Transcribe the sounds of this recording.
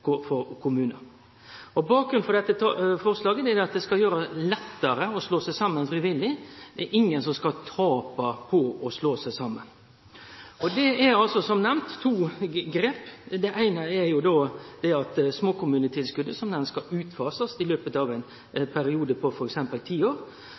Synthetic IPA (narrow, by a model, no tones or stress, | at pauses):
kɔfɔɾkʰʊmʉːnəɾ | ɔbɑːk̚ɡɾʉnfɔʁd̪ɛt̪ːət̪fɔʁslɑːɡəd̪ɛɛɾd̪ɛɑt̪̚d̪ɛskɑjøːɾəlɛt̪ːəɾəɔsloːsæɪsɑmːənfɾiʋɪlːɪd̪̥ɛɛɾɪŋːənsɔmskɑt̪ʰɑːpɑpʰɔɔsloːsæɪsɑmːən | ɔd̪ɛɛɾɑlsɔsɔmnɛmnt̪ʰːuːɡɾeːpd̪ɛʔæɪnəɛɾjʊd̪od̪̥ɛɑt̪smoːkʊmʉːnət̪ʰɪlskʉd̪ːəsɔmnɛnskɑʉːt̪fɑːsəsɪløːpət̪ɑʋæɪn | pʰæɾɪuːd̪əpʰɔfɔɾɛksɛmpəlt̪ʰiːoːɾ